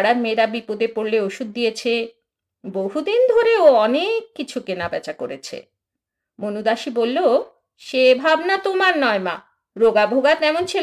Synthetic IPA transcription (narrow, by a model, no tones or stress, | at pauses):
ɽaɾmeɾabipod̪epoɾleoʃud̪̚ːijet͡ɕʰe | boɦud̪ind̪ʱoɾeoɔnekːit͡ɕʰukenabɛ̰t͡ɕakoɾet͡ɕʰḛ | monud̪aʃibolːo | ʃebʱabnat̪omaɾnɔema̰ | ɾoɡabʱoɡat̪ɛmont͡ɕʰe